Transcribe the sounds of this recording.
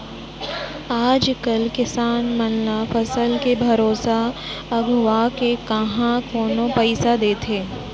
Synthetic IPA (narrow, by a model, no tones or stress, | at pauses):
aːd͡ʒkɐlkɪsaːnmɐnlafɐsəlkebʱɐɾoːsaɐɡʱʋakekɐɦãkoːnõpɛɪsad̪eːt̪ʰeː